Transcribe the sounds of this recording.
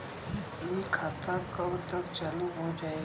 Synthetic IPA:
ekʰat̪akɐbt̪əkt͡ʃɐluɦod͡ʒaːe

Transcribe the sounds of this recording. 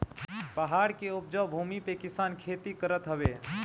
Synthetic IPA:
pəɦaːɽkeʊp̚d͡ʒəwbʱuːmipekɪsaːnkʰeːt̪ikəɾət̪ɦəʋe

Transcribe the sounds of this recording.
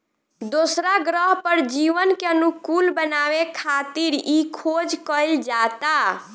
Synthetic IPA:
d̪osɾaɡɾəɦpəɾd͡ʒiʋənkeənukulbənaʋekʰat̪iɾikʰod͡ʒkəɪld͡ʒat̪a

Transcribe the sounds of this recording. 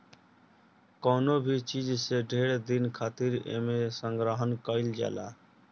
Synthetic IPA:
kɔːnobʱit͡ʃid͡ʒseɖʱeːɽd̪inkʰaːt̪iɾḛmesəŋɡɾəɦənkəɪld͡ʒa̰ːlaː

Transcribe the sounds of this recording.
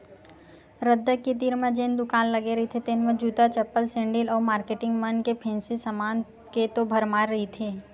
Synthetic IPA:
ɾəd̪ːəkːit̪̬iːɾmə̃d͡ʒeːnd̪ʊkaːnlɐɡeɾɐɦit̪ʰet̪enməd͡ʒuːt̪at͡ʃɐpːəlsẽːɳɖɪlɔːɾmaːɾkeːʈɪ̃ŋɡmɐnkepʰɛ̃ːnsisɐmaːn | ket̪obʱɐɾmaːɾːɐɦit̪ʰeː

